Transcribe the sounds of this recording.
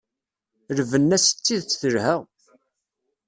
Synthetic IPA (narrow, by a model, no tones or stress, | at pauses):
ɾvənːæsə̥t͡sːiðt͡sθəɾhəʁ